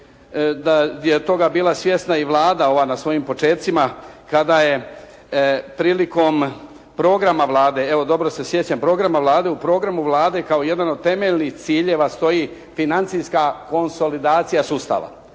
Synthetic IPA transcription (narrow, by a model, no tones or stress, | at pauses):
d̪ajet̪o̞ɡabiːlˠasʋje̞snaiʋlˠaːd̪ao̞ʋaːnasʋo̞jimpo̞t͡ʃe̞ːt̪t̪simakad̪aje̞ | pɾiːliko̞ːm | pɾo̞ːɡɾamaʋlˠaːd̪e̞e̞ʋo̞d̪o̞bɾo̞sesjet͡ɕampɾo̞ːɡɾamaʋlˠaːd̪e̞upɾo̞ːɡɾamuʋlˠaːd̪e̞kaoje̞d̪ano̞d̪̚t̪e̞me̞ʎnixt̪siːʎeʋast̪o̞jiː | finant̪sijskako̞nso̞lid̪aːt̪sijasuːst̪a̰ʋa̰